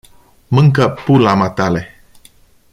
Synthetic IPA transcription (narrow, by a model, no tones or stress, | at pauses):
mɨŋkəpulamat̪ale